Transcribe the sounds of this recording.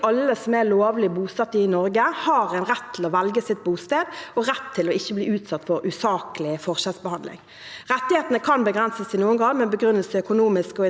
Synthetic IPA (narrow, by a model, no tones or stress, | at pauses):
ɑlːəsɔmæloːʋlɪbuːsɑt̪ːɪnɔɾɡəhɑːʁɛnʁɛt̪ʰːɪlɔʋɛlɡəsɪt̪̚buːst̪eːd̪ɔɾɛt̪ʰːɪlɔɪçːəbliːʉːt̪sɑt̪ːfɔɾʉsɑːkəlɪfɔʁʂɛːsbəhɑnd̪lɪ̰ŋ | ʁɛt̪ːɪheːt̪nəkʰɑnbəɡʁɛnsəsɪnuːənɡɑŋmɛbəɡʁʏnəlsəœkʊnuːmɪskɔɪ